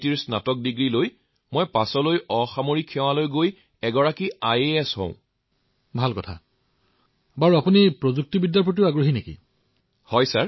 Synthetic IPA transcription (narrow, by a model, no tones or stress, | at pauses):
tiɹsnatɔk̚diɡɹiloj | mɔjpasɔlojɔxamoɹikʰːɛw̃alojɡoj | ɛɡɔɹakiajeɛshɔ̰̃ʊ̃ | bʱalkɔtʰa̰ | baɹuapunipɹozuk̚tibidjaɹpɹot̬iʊaɡɹoɦinekḭ | hɔjsaɹ